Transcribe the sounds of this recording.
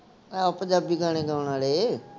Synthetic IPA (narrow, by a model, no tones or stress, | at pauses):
pəɲd͡ʒaːbiːɡaːɽ̃eːɡãːʋnaːleː